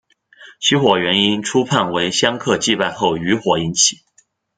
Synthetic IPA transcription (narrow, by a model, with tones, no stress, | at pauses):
ɕʰi˧˥xwɔ˨˩ɥɛ˧˥ni˥nʈ͡ʂʰu˥pʰa˥˩nwe˧˥ɪɕjɑ˥ŋkʰɤ˥˧t͡ɕi˥˧pa˥˧ɪxo˥˩ʊy˧˥xwɔ˨˩i˧˥nt͡ɕʰi˨˩˦